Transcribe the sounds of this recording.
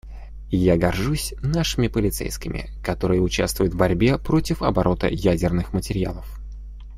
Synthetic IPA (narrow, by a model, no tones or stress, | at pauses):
jaɡɐrʐusʲnaʂɨmʲɪpəlʲɪt̪sɛ̰jskʲɪmʲʔɪ̰ | kɐt̪o̞ɾɨjəʊt͡ɕa̰st̪vʊjʊt̪vbɐɾʲbʲepɾo̞tʲɪfɐbɐɾo̞t̪ə̰jædʲɪrnɨxmətʲɪɾʲɪja̰lˠəf